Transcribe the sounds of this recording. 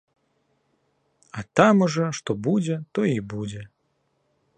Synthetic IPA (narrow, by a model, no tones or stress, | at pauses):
ɐt̪amuʐɔʂt̪ɔbud͡zʲɛt̪ɔibud͡zʲɛ